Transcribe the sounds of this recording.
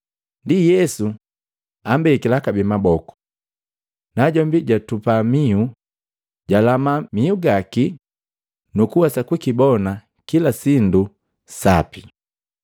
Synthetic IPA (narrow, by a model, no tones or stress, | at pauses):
ndijɛsu | ambɛkilakabimabɔku̥ | naɟɔmbiɟatupamiu | ɟalamamiuɡaki | nukuwasakwikibɔna | kilasindu | sapi